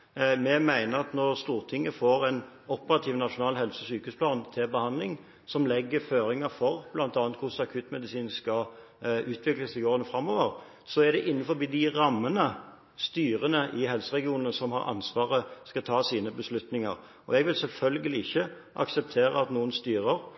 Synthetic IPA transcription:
mɛmæɪnəɾɑt̪nɔɾst̪uːʁt̪ʰɪŋːəfoːɾɛn | ɔpːəɾɑt̪ʰiːʋnɑʂʊnɑːlɦɛlsəsyːkəʉːspʰlɑːnt̪ʰɪlbəhɑnd̪lɪŋ | sɔmlɛɡːəføːɾɪŋɑfɔʁb̥lɑnt̪ɑːnt̪hʊsɑkʰʉːt̪mɛd̪ɪsiːnskɑ | ʉːt̪ʰʋɪkləsɪɡoːʁənəfɾɑmːoːʋəɾ | sɔæd̪ɛʔɪnːənfɔɾbiːd̪ɪɾɑmːənə | st̪yːɾənəʔɪɦɛlsəʁɛɡɪuːnənsɔmhɑ̰ɾʔɑ̰nsʋɑːʁəskɑt̪ʰɑːsiːnəbəslʉt̪nɪŋɑ̰ɾ | ɔɛɡʋɪlsɛlfœlɡəlɪɪçːə | ʔɑ̰ksɛp̚t̪ʰeːɾə̰ɑt̪nuːənst̪yːɾəɾ

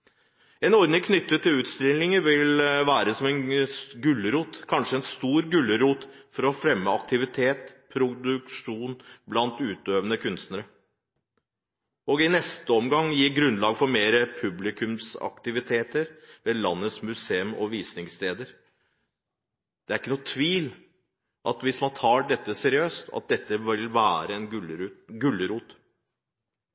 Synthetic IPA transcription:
ɛnɔɾd̪nɪkʰnʏt̪ːət̪ʰːɪlʉːt̪st̪ɾɪŋlɪŋəɾʋɪlʋæːɾəsɔmɛnɡʉlːəɾuːt̪kʰɑnʂəɛnst̪uːɾɡʉlːəɾuːt̪fɔɾɔfɾɛmːəɑk̚t̪ɪʋɪt̪ʰeːt̪pʰɾʊd̪ʉkʂuːnblɑnt̪ʉːt̪øːʋənəkʰʉnst̪nəɾə | ɔɡɪnɛst̪əɔmɡɑŋːjiːɾɡɾʉnlɑːɡfɔɾmeːɾəpʰʉblɪkʰʉmsɑ̰kt̪ɪʋɪt̪ʰeːt̪əɾʋeːlɑnːəsmʉseːʉmɔ̰ʋiːsnɪŋst̪eːd̪əɾ | d̪̥ɛæɾɪkːənuːt̪ʰʋiːl | ʔɑt̪ʋɪsmɑnt̪ʰɑːɖɛt̪ːəsɛɾɪøːst̪ʰɑ̰t̪̚d̪ɛt̪ːəɪlʋæːɾəɛnɡʉlːəɾuːt̪

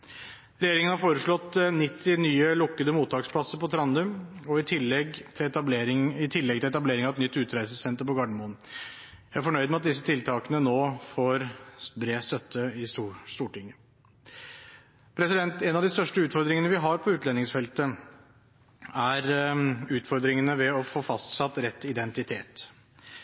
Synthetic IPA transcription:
ɾɛjeːɾɪŋənhɑɾfoːɾəʂɭɔt̪ːnɪt̪ʰːɪnyːəlʊkːəd̪əmuːt̪ʰːɑːkspʰlɑsəɾpɔt̪ʰɾɑnd̪ʉmɔɪt̪ʰɪlɛɡ̪ʰɑb̪eɾɪɪt̪ʰɪlːɛɡt̪ɪlɛt̪ɑbleːɾɪŋɑʋɛt̪nʏt̪ːʉːt̪ɾæɪsəsɛnt̪əɾpɔɡɑɖəmoːn | jæɪæɾfɔɳœʏd̪mɛɑt̪̚d̪ɪs̬ːət̪ʰɪlt̪ʰɑːkənənoːfoːɾbɾeːst̪œt̪ʰːəɪsʂt̪uːʈɪŋːə | pʰɾɛsɪd̪ɛnt̪ɛnɑʋd̪ɪst̪œʂʈəʉːt̪fɔɾd̪ɾɪŋənəʋɪɦɑɾpʰɔʉːt̪lɛnɪŋsfɛlt̪ə | æɾʉːt̪fɔɾd̪ɾɪŋənəʋɛɔfoːfɑst̪sɑt̪ːɾɛt̪ːɪd̪ɛnt̪ɪt̪ʰeːt̪

